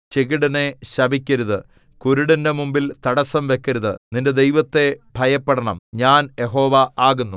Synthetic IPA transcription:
t͡ɕeɣiɽɐne̞ɕɐbʱikʲːɐɾuðɨ | kuɾuɽɐnde̞mumbilt̪ɐɽɐsɐmʋe̞kʲːɐɾuðɨninde̞d̪ejʋɐt̪ːe̞bʱɐjɐpːɐɽɐɳɐmɲaːnje̞ɦo̞ːʋɐaːɣunːu

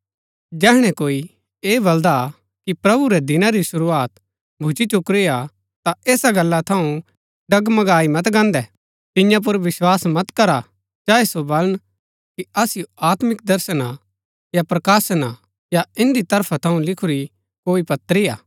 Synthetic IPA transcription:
d͡ʒɛːɦɽ̃ɛ̃koːi | eːbɐld̪a | kipɾɐbuɾɛd̪ɪnãɾisʊɾuaːt̪ | bʱʊt͡ʃit͡ʃʊkɾija | t̪aeːsaɡɐlːat̪ʰɐũ | ɖɐɡmɐɡaːimɐt̪ɡãːnd̪ɛ | t̪ɪ̃jãp̬ʊɾʋɪswaːsmɐt̪kɐɾa | t͡ʃaːesobɐlən | kiɐsɪjoaːt̪mɪk̚d̪ɐɾsəna | japɾɐkaːsna | jaɪ̃nd̪it̪ɐɾpʰat̪ʰɐũlɪkʰʊɾi | koːipɐt̪ːɾija̰ː

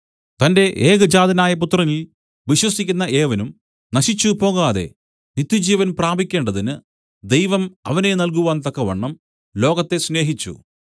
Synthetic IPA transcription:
t̪ɐnde̞ʔeːɣɐd͡ʑaːd̪ʱɐnaːjɐp̬ut̪rɐŋil | ʋiɕwɐsikʲːunːɐʔe̞ːʋɐnum | nɐɕit͡ɕːupo̞ːɣaːðe̞̰ | nit̪ːjud͡ʑiːʋɐnpraːbikʲːe̞ːɳɖɐðinɨ | d̪e̞jʋɐmɐʋɐne̞nɐlk̬uʋaːnt̪ɐkːɐʋɐ̰ɳːɐm | lo̞ːɣɐt̪ːe̞sne̞ːɦit͡ɕːṵ

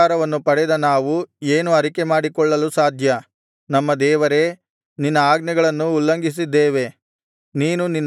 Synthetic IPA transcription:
aːɾɐʋɐnːupɐɽɛd̪ɐnaːʋueːnuɐɾikemaːɽikɔɭːɐlusaːd̪ʱjɐ | nɐmːɐd̪ɛːʋɐɾe̞ | ninːɐaːɡnɐɡɐɭɐnːuːlːɐŋɡis̬id̪ːeːʋe̞ | niːnuninː

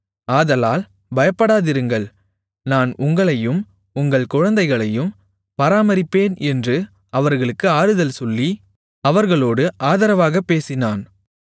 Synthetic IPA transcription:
aːðɐlaːl | bɐjɐpːɐɽaːðɪɾɯŋɡɐɭ | naːnʊŋɡɐɭɐjɯm | ʊŋɡɐɭkʊɻɐnd̪ɐɪɣɐɭɐjɯm | pɐɾaːmɐɾɪpːeːnɛndrɯ | ɐʋɐɾɣɐɭɯkːɯaːɾɯðɐlsɔlːi | ɐʋɐɾɣɐɭoːɽɯʔaːðɐɾɐʋaːɣɐpːeːsɪnaːn

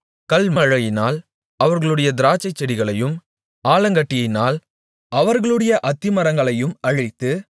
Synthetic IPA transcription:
kɐlmɐɻɐjɪnaːl | ɐʋɐɾɣɐɭɯɽɐjɐd̪ɪɾaːt͡ʃːɐɪt͡ʃːɛɽɪɣɐɭɐjɯm | aːlɐŋɡɐʈːɪjɐɪnaːl | ɐʋɐɾɣɐɭɯɽɐjɐʔɐt̪ːɪmɐɾɐŋɡɐɭɐjɯmɐɻɪt̪ːɯ

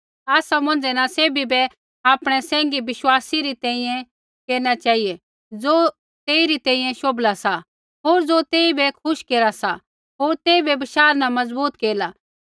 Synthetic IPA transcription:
aːsamɐ̃nd͡ʒɛnãseːbibɛ | aːpɽ̃ɛsɛ̃ːŋ̆ɡibɪʃwaːsiɾit̪ɛ̃ːĩjɛ̃ | keːɾnat͡ʃaːiɛ | d͡zoː | t̪eːiɾit̪ɛ̃ːĩjɛ̃ʃoːblasa | ɦoːɾd͡zoːt̪eːibɛkʰʊʃkeːɾasa | ɦoːɾt̪eːibɛbɪʃaːɾnãmɐzbuːt̪keːla

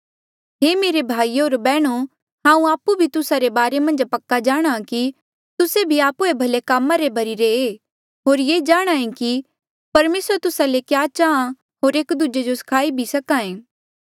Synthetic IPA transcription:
ɦeːmeːɾebʱaːioːɾbɛːɽ̃o | ɦãːũaːpːubʱit̪ʊsaɾebaːɾemɐ̃nd͡ʒpɐkːad͡ʒaːɽ̃aki | t̪ʊsebʱiaːpuebʱɐlekaːmːaɾebʱɐɾiɾeeː | ɦoːɾjeːd͡ʒaːɽ̃aẽki | pɐɾmeːsəɾt̪ʊsalekjaːt͡ʃaːã | ɦoːɾeːkd̪ud͡ʒed͡ʒosɐ̥kʰaːibʱisɐkãːẽː

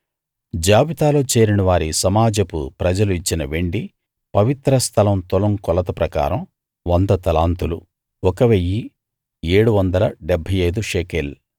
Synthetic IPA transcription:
d͡ʒaːbit̪aːlo̞ːt͡ʃeːɾinɐʋaːɾisɐmaːd͡ʒɐpṵpɾɐd͡ʒɐluit͡ʃːinɐʋeɳɖi | pɐʋit̪ɾɐst̪ʰɐlɐmt̪ɔlɐmkɔlɐt̪ɐpɾɐka̰ːɾɐm | ʋɐnd̪ɐt̪ɐlaːnt̪ulu | ɔkɐʋejːi | eːɽuʋɐnd̪ɐlɐɖɛbʱːɐjɐjd̪uʃeːkel

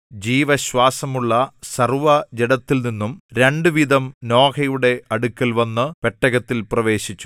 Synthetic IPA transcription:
d͡ʑiːʋɐɕwaːsɐmuɭːɐsɐrʋɐd͡ʑeɽɐt̪ːilninːumɾe̞ɳɖɨʋid̪ɐmno̞ːkʰɐjuɽe̞ɐɽukʲːɐlʋɐnːɨʋeʈːɐɣɐt̪ːilprɐʋe̞ːɕit͡ɕːu̥

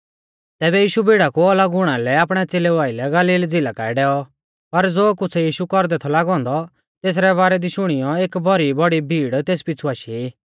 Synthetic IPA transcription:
t̪ɛːbɛjiːʃubʱiːɽakuɔlaɡʊɽ̃alɛaːpɽ̃ɛt͡seːleuaːilɛɡaliːld͡zɪlakaːɛɖɛːɔ | pɐɾd͡zoːk̬ʊt͡sʰɛjiːʃukɔɾd̪ɛt̪ʰɔlaːɡɔ̃ːnd̪ɔ | t̪eːs̬ɾɛβaːɾɛd̪iʃʊɽ̃ɪjɔeːkbʱɔɾibɔɽibʱiːɽt̪eːspɪt͡sʰuaːʃii

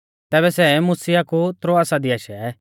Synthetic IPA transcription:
t̪ɛːbɛsɛmusijakut̪ɾoasad̪iaːʃaɛ

